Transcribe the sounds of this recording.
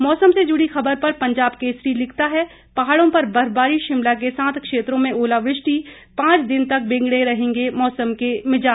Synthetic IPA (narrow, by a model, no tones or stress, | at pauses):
mɔːsəmsed͡ʒʊɽixɐbəɾpɐɾpɐ̃ɲd͡ʒaːbkesɾilɪkʰt̪aɦɛ | pɐɦaːɽõpɐɾbɐɾbaːɾiʃɪmlak̬esãːt̪ʰkʃeːt̪ɾõmẽʔoːlaʋɾɪʃʈi | pãːt͡ʃd̪ɪnt̪ɐk̚bẽːŋɡɽeɾɐɦẽːŋɡemɔːsəmkemɪd͡ʒaː